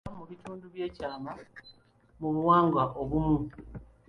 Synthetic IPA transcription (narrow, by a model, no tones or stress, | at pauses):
muβituːnduβje̞ːcaːma | muβuwaːŋɡwaʔoβumu